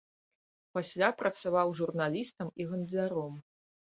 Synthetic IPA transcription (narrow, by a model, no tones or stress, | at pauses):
pasʲlʲapɾʔɐt̪savawʐurnalʲist̪ɐmiɣɐnd̪ʲlʲaɾɔm